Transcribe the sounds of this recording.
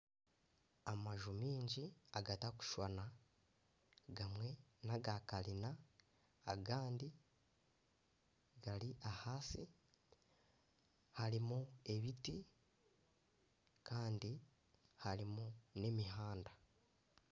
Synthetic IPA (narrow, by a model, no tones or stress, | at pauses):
amaʒumiːɲɟiaɡataku̥ʃwana | ɡamwe̞naɡakalinaː | ɡaːndi | ɡaliʔahaːsi | haɾimue̞βiti | kaːndi | haɾimune̞miɦaːnda